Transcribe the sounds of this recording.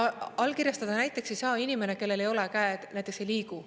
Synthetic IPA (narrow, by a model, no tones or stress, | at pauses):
ɑlkiɾjɑst̪ɑd̪̥ɑnæjt̪ːˑe̞kse̞jsɑːinime̞ne̞ke̞lːe̞le̞jo̞lekæed̪̥næjt̪ekse̞jliːɡu